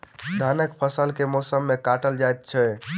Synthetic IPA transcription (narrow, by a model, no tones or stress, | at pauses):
d̪ʱanəkpʰəsəlkemɔsəmːekaʈəld͡ʒajt̪̚t͡ʃʰɛ